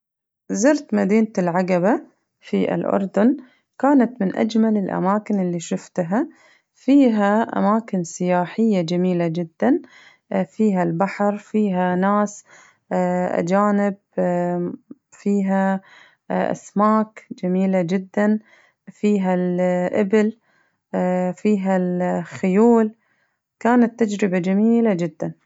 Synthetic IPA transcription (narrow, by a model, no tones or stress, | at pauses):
zɪɾt̪mad̪iːnt̪ɪlʕaɡaba | fiɪ̰lʔʊ̰ɾˤd̪ʊn | kaːnat̪mɪnʔa̰d͡ʒmalɪlʔa̰maːkɪnɪlːiʃʊft̪ɦa | fiːɦaʔa̰maːkɪnsɪjaːħɪjːad͡ʒamiːlad͡ʒɪd̪ːan | fiːɦalbaħɾfiːɦanaːs | ʔa̰d͡ʒaːnɪb̚ | fiːɦa | ʔa̰smaːkd͡ʒamiːlad͡ʒɪd̪ːan | fiːɦalʔabɪl | fiːɦalxʊjuːl | kaːnat̪ːad͡ʒɾɪbad͡ʒamiːlad͡ʒɪd̪ːan